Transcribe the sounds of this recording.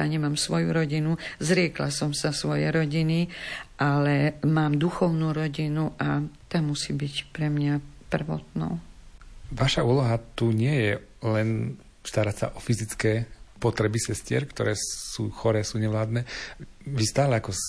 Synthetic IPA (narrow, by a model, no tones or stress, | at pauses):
aɲɛmaːmsʋɔjṵɾɔɟinuzɾɪɛklasɔmsasʋɔjɛɾɔɟiniʔalɛmaːmd̪uxɔʊnuːɾɔɟinuʔat̪aːmusiːbicpɾɛmɲapr̩ʋɔ̰t̪nɔ̰ʊ | ʋaʃauːlɔɦat̪uɲɪɛjɛ | lɛn | st̪aɾacsa̰ʔɔfizit͡skɛːpɔt̪ɾɛbisɛscɪɛ̰ɾkt̪ɔ̰ɾɛːsuːxɔɾɛːsuːɲɛʋlaːd̪nɛːʋist̪aːlɛakɔ